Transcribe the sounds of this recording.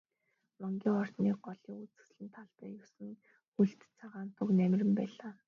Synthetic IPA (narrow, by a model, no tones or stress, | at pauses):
mɔŋɡʲiːŋχɔr̥t̪niːɢɔɮiːŋut͡sɘ̆sɮɘ̆nt̪ʰaɮp̪æjʊwsɘ̆ŋ | xuɬt̪t͡sʰaʁaːnt̪ʰɵknæm̆ʲrʲɘ̆mpæːɮaː